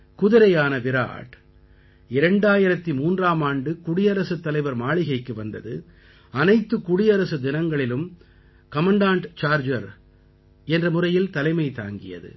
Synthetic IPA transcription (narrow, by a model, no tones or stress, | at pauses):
kʊðɪɾɐjaːnɐʋɪɾa̰ːʈ | ɪɾɐɳɖaːjɪɾɐt̪ːimuːndraːmaːɳɖɯkʊɽɪjɐɾɐsɯt̪ːɐlɐɪʋɐɾmaːɭɪɣɐɪkːɯʋɐnd̪ɐðɯ̰ | ɐnɐɪt̪ːɯkʊɽɪjɐɾɐsɯd̪ɪnɐŋɡɐɭɪlɯm | kɐmɐɳɖaːɳʈt͡ʃaːɾd͡ʒɐɾ | ɛndrɐmʊrɐjɪlt̪ɐlɐɪmɐɪt̪a̰ːŋɡɪ̰jɐ̰ðɯ̰